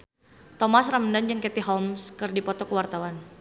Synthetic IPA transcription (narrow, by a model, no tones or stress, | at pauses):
t̪ɔmasraməndand͡ʒəŋkɛt̪iɦɔmskɨrdipɔt̪ɔkəwart̪awan